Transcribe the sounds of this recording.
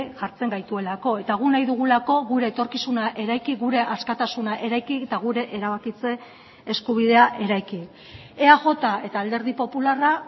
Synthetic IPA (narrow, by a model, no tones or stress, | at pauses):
ʝaɾt͡se̞ŋɡajt̪ue̞lako̞e̞t̪aɣ̞unajðuɣ̞ulako̞ɣuɾe̞ːt̪o̞ɾkisunaʔe̞ɾajkiɣuɾe̞ʔaskat̪asunaʔe̞ɾajkit̪aɣ̞uɾe̞ʔeɾaβ̞akit͡se̞ː | skuβ̞ið̞e̞aʔe̞ɾajki | e̞aʝo̞t̪ae̞t̪aːld̪e̞ɾð̞ipo̞pulara